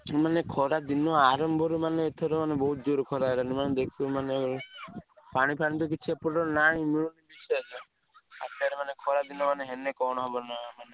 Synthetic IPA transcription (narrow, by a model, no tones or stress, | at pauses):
manekʰɔɾad̪inɔaɾɔmbʱɔɾumaneːt̪ʰɔɾɔmanebɔɦut̪̚d͡ʒoɾukʰɔɾaeɾanimaned̪ekʰiɔmane | paɽ̃ipaɽ̃ĩt̪̬ɔk̬it͡ʃʰiapɔɽɾɔnaĩmiɭ̃unibised͡ʒɔ | a̰t̪aɾemanekʰɔɾad̪inɔmaneɦenekɔɽ̃ɔɦɔbɔnamane